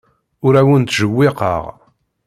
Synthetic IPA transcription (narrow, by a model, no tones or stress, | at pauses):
ʊɾæwənt̪ʒəwːɪqə̰ʁ